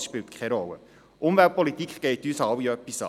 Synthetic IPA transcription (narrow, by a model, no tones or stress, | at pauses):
sʃpɪltkʰχɛɾɔlːə̰ | ʔʊmvælt̚pʰɔlitikχɡ̥ɛɪtyːsɑwiœpːisɑ̰